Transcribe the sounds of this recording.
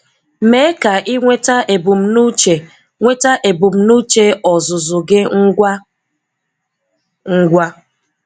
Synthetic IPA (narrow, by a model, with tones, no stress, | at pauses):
me˦ka˨ʔɪ˦ŋʷe˦ta˦ʔe˨bu˨m̩˦nu˦t͡ʃe˨ | ŋʷe˦ta˦ʔe˨bu˨m̩˦nu˦t͡ʃe˦ɔ˨zʊ˨zʊ˨ɡɪ˦ŋ̩˦ɡʷa˦ | ŋ̩˦ɡʷa˦